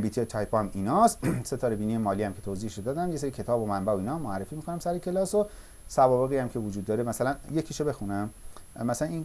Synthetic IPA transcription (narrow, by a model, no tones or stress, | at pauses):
biːt̪ʰiet̪ʰɒjpʰɒæmiːnɒːst̪se̞t̪ʰɒːɾebiːnijemɒːliːhæmcʰe̞t̪ʰoːziːheʃod̪ɒːd̪æmje̞seɾicʰe̞t̪ʰɒːbomæmbæoiːnɒːmːoærːefiːmikʰo̞næmsæɾecʰe̞lɒːso | sævɒːbe̞ɣijæmcʰe̞vod͡ʒud̪ːɒːɾemæsælænjecʰiʃobe̞xunæmmæsælæniːn